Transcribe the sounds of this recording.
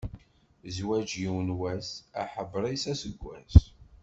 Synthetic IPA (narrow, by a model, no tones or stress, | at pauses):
zwæd͡ʒiwənwæsæħəbːɾˤisæsəɡʷːæ̰s